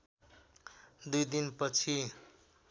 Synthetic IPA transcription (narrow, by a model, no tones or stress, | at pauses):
d̪ujd̪inpʌt͡sʰi